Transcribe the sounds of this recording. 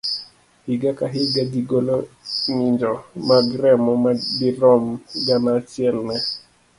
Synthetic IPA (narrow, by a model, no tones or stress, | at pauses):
hɪɡakaɦɪɡadiɡoloɲɪɲd͡ʒɔmaɡɾɛmɔmadiɾɔmɡanaːt͡ʃɪɛlnɛ